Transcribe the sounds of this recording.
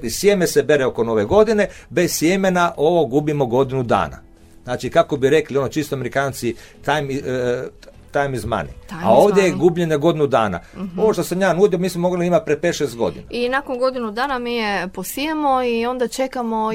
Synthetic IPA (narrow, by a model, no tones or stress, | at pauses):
isjemesebe̞ɾeo̞ko̞no̞ʋeɡo̞d̪ine̞bessjemenaʔo̞ʋo̞ɡubimo̞ɡo̞d̪inud̪a̰ːna̰ | znaːt͡ʃikako̞biɾe̞klio̞not͡ʃist̪oameɾikaːnt̪si | t̪ajmi | t̪ajmizma̰nḭa̰o̞ːʋd̪jejeɡuːbʎeneɡo̞d̪inud̪aːna̰o̞ʋoʃt̪osamjaːnuːd̪iomiːsmomo̞ɡliimat̪̚pɾepet̪ʃest̪̚ɡo̞̰d̪ḭnainakonɡo̞d̪inud̪aːnamiːjeposijemoio̞nd̪at͡ʃekamo